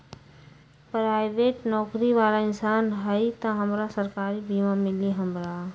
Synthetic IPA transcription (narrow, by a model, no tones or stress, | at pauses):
pɾaːɪʋeːʈnɔːkɾiʋaːlaɪnsaːnɦɛit̪aɦəmɾasəɾkaːɾibiːmamɪliɦəmɾa